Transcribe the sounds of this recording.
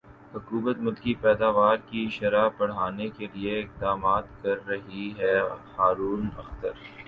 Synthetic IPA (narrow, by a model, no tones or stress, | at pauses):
hʊkuːbət̪mʊlkipɛːd̪aːʋaːɾkiʃɐɾapɐɽ̤aːnekelieɪq̚d̪aːmaːt̪kɐɾːɐɦiɦɛːhaːɾuːnɐ̰xt̪əɾ